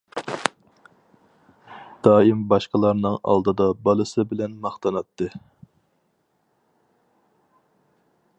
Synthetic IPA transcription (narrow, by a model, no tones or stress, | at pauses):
d̪̥ɑːimbɑʃqəlˠɑɾnɨŋɑ̰lˠd̪ɨd̪ɑbɑlˠɨsɨbɪlɛnmɑχt̪ʰɑnɑt̪ʰːɨ